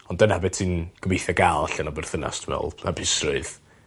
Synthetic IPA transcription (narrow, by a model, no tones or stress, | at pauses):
ɔndənabɛtʰɨːnɡ̥əmejθjaɡalˠaɬanabɛrθəna̰stʰmɛ̰lˠa̰bʰɪsrʊɨð